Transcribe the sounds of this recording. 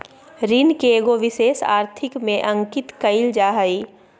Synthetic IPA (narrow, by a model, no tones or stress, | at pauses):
ɾiːnkeɡoʋɪʃeːsa̰ːɾt̪ʰɪkmẽʔɐ̃ŋkɪt̪kəɪld͡ʒaːɦaiː